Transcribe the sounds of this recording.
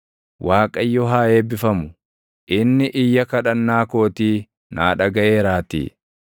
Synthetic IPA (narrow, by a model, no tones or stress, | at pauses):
waːkʼɐjːɔɦaːjeːbɪfɐmʊ | ʔɪnːɪʔɪjːɐkɐᶑɐnːaːko̞ːt̪iː | naːᶑɐɡɐʔe̞ːɾaːt̪ḭː